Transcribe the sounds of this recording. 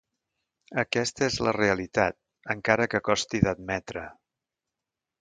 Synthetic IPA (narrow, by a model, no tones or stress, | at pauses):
əkɛst̪əezləreəlit̪at̪̚ | əŋkaɾəkəkɔst̪iðəd̪̚mɛt̪ɾə